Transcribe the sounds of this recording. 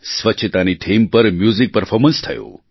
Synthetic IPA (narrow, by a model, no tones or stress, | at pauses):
sʋətːʃʰət̪aniʈʰimpəɾmjuzik̚pəɾfʰɔɾmənst̪ʰəjõ̰